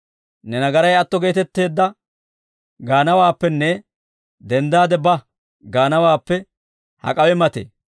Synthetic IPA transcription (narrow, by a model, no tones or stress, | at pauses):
nɛnɐɡɐɾɐjɐt̪ːɔɡe̞ːt̪ɛt̪ːe̞ːd̪ːɐ | ɡaːnɐwaːpːɛnːɛ | d̪ɛnd̪aːd̪ɛbɐ | ɡaːnɐwaːpːɛ | hɐ̰kʼɐwɛmɐt̪ḛː